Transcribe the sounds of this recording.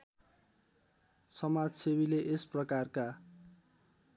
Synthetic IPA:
sʌmad͡zsebileʔesprʌkarka

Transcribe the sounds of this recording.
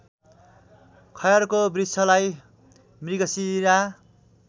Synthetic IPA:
kʰʌjʌrkobrisʌlaj | mriɡʌsiɾa

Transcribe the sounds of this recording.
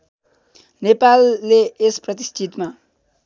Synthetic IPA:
nepalːeːsprʌt̪ist͡ʃʰit̪ma

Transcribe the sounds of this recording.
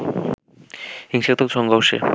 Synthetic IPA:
hiŋʃek̚t̪ʰokt͡ɕʰɔŋɡɔwʃḛ

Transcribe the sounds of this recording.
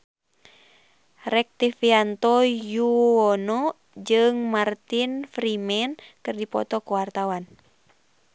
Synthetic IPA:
rɛk̚t̪ifiant̪ɔjuɔnɔ | d͡ʒɨŋmart̪infɾimɛnkɨrdipɔ̰t̪ɔkuwart̪awan

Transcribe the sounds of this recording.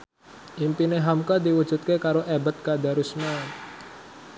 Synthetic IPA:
ʔimpineɦamkad̪iwud̥ʒ̥ṳt̪̚kekaɾoʔebət̪̚kad̪aɾusna

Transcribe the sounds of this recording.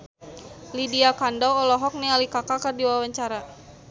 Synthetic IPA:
lidiakandawɔlɔɦɔk̚nialikakakərdiwawaɲt͡ʃaɾa

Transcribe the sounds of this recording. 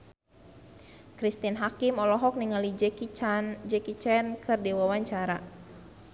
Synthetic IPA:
kɾist̪inɦakimɔlɔɦɔk̚niŋalid͡ʒɛkind͡ʒɛkit͡ʃɛnkʰɨrdiwawaɲt͡ʃaɾa

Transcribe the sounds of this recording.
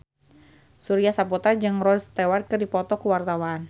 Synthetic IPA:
suɾiasaput̪ard͡ʒɨŋrɔst̪ɛwarkɨrdipɔt̪ɔkuwart̪awan

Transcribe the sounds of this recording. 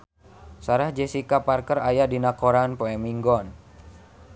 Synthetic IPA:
saɾahd͡ʒesikaparkərajadinakoɾanpoɛmiŋɡɔn

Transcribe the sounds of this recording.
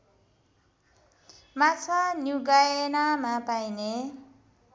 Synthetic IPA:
mat͡sʰanjuɡajenamapajne

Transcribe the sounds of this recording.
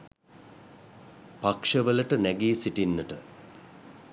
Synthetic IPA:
pakʂəʋələʈənæɡiːsiʈinːəʈə

